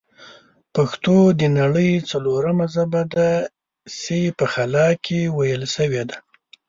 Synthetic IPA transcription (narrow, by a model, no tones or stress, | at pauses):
paxt̪od̪ənaɽəjt͡saloɾamazabad̪a | sepəxalɑkʰewajəlsəwed̪a